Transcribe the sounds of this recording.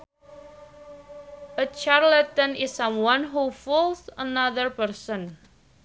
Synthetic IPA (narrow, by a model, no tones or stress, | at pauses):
ʔət͡ʃaɹlət̪ə̃nɪsʌ̃mwãnɦufɔlsənaðəɹpəɹsə̃n